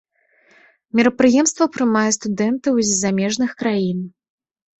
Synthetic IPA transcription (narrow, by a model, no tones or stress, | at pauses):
mʲiɾɐpɾɨjɛmst̪vɐpɾɨmajɛst̪ud̪ɛnt̪ɐwzʲzamʲɛʐnɨxkɾajin